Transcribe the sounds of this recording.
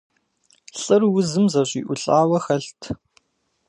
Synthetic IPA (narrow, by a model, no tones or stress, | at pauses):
ɬʼɨrwʊzɨmzɐɕiːʔʷʊɬʼaːwɐxɐɬtʰ